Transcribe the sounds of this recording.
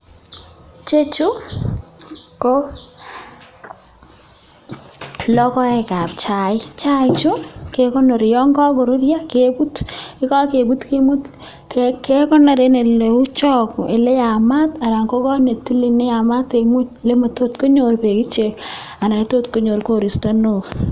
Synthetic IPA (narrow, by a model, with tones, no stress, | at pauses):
t͡ʃe˦t͡ʃu˦ | ko˦ | lɔ˦kɔ˦ɛ˨ka˨p̚t͡ʃa˨ɪ˦t͡ʃa˦jt͡ʃu˦ke˦kɔ˦nɔ˨ɾjɔ˦ŋkɔ˦ɡɔ˨ɾu˦ɾja˦kebu˦tɪ˦kɔ˦ke˨bu˦tke˦mu˦t | kke˦kɔ˦na˨ɾe˦ne˨le˨u˦t͡ʃɔ˦kʔe˨le˦ja˨ma˦ta˨ɾa˨ŋko˦kɔ˦ne˨ti˦li˦nɛ˦ja˨ma˦te˨mu˦ɲle˦ma˨to˦tko˦ɲo˨ɾpe˨ki˦t͡ʃe˨k | a˨na˨ni˦to˦tko˦ɲo˨ɾko˦ɾi˨sta˦no˨